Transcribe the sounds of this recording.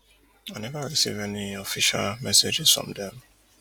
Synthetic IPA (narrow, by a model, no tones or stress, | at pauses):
anɛvaɹisḭvɛniɔfiʃa̰lmɛsed͡ʒɪz̥fɹɔ̰̃mdɛ̃m